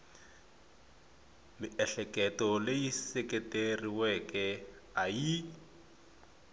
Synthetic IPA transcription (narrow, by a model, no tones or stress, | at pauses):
mɪʔɛɬɛkʼɛtɔleisɛkʼɛtʼeriwɛkɛ | aji